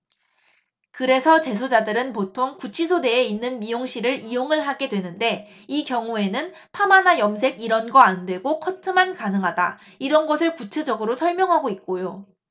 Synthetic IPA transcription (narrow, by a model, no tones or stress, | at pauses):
kɯɾe̞sʰʌt͡ɕe̞s̬ʰod͡ʑadɯɾɯnpotʰoŋkut͡ɕʰisʰode̞ːinːɯnmijoŋɕ͈ʰiɾɯɾijoŋɯɭɦaɡe̞dwe̞nɯnde̞ | ikjʌŋue̞nɯn | pʰamanajʌmsʰe̞ɡiɾʌnɡʌandwe̞ɡokʰʌtʰɯmankanɯŋɦada̰ | iɾʌnɡʌsʰɯɭkut͡ɕʰe̞d͡ʑʌɡɯɾosʰʌɭmjʌŋɦaɡoit̚k͈ojo